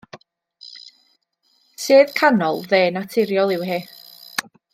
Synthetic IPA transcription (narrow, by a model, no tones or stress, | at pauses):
sɨːðkʰanɔlˠðeːnatʰɪɾjɔlˠɪwɦeː